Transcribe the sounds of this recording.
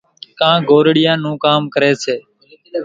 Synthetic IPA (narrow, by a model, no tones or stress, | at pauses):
kãːɡoːɾɽɪjãːnũːkaːmkəɾeːseː